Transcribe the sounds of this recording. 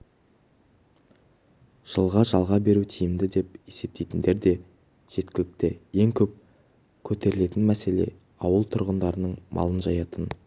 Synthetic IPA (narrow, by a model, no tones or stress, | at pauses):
ʒ̥əlˠʁɑʒɑlˠʁɑbe̞ɾut̪ʰijɪmd̪ɪd̪e̞pe̞se̞p̚t̪ejt̪ɪnd̪e̞ɾd̪e̞ | ʒ̥e̞t̪kʲɪlɪk̚t̪eje̞ŋkʲʰɵp̚ | kʲʰɵt̪ʰe̞ɾɪle̞t̪ɪnmæse̞le̞̰ | ɑwəlˠt̪ʰʊɾʁənd̪ɑɾənəɴmʔɑ̰lˠənʒɑjɑt̪ən